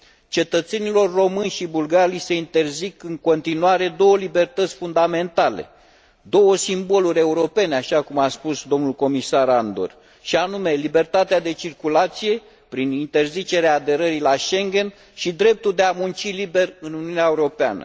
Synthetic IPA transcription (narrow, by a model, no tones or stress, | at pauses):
t͡ʃe̞t̪ət̪se̞nilo̞rːo̞mɨnʲʃibulɡaɾijse̞int̪e̞rzikɨŋko̞nt̪inuaɾe̞d̪o̞wəlibe̞rt̪ət̪sʲfund̪ame̞nt̪ale̞̰ | d̪o̞wəsimbo̞luɾʲe̞uɾo̞pe̞neaʃakumaspusd̪o̞mnulko̞misaɾand̪o̰r | ʃianume̞libe̞rt̪at̪ead̪e̞t͡ʃirkulat̪sije̞ | pɾinint̪e̞rzit͡ʃe̞ɾeaːd̪e̞ɾəɾilaʃe̞ŋɡʲe̞n | ʃid̪ɾe̞p̚t̪uld̪e̞amunt͡ʃilibe̞rɨnuniuuneaeuɾo̞pea̰nə̰